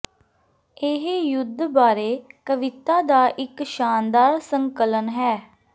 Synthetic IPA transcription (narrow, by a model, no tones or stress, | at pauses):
ɪɦjʊd̪baːɾeːkəʋɪt̪aːd̪aːʔɪkʃaːnd̪aːɾsəŋkələnɦɛː